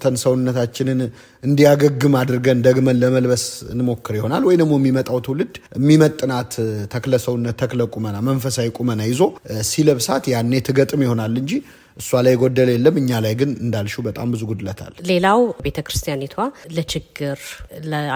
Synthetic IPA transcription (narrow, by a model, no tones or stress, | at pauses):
t̪ʰənsəwʊnːət̪ʰat͡ʃːɪnɨn | ɨnd̪ijaɡəɡːɨmad̪ɨɾɡənd̪əɡmənləməlbəsɨ̰nɨmo̞kːɨɾjɪho̞nalwɔjd̪əɡmːo̞jɛmːimət̪ʼawt̪ʰəwlɨd̪əmːimət̪ʼːɨnat̪t̪ʰːəkləsəwʊnːət̪ʰːəkləkʼumənamənfəsajkʼumənajɪzo̞siləβsat̪janːet̪ʰɨɡət̪ʼɨmjɪho̞nalːɨɲd͡ʒi | ʔɨsːualajɡo̞d̪ːəljɛlːəmːɨɲːalajɡɨnɨnd̪alʃubət̪ʼambɨzuɡud̪ɨlət̪ʰa̰lle̞lawbe̞t̪ʰəkɾɨst̪ʰijanet̪ʰwalət͡ʃɪɡːɨɾlə